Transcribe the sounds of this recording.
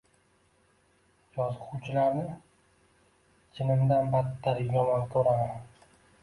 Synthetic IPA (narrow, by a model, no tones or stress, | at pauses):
jɒzqʰʊwt͡ʃʰɪlaɾnɪ | t͡ʃʰɪnɪmd̪anbat̪ʰːaɾɡʲɒmank̪ʲʰoɾama